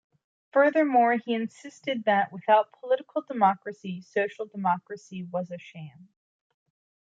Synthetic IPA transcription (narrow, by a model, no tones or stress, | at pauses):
fɜ˞ðə˞mɔɹiɨ̃nsɪstɨd̪̚ðɨʔwɨθaʊt̚pʰəlɪɾəkʰl̩ˠdəmɑkɹɨsisoʊʃl̩ˠdəmɑkɹɨsiwʌzɨʃẽɪ̃m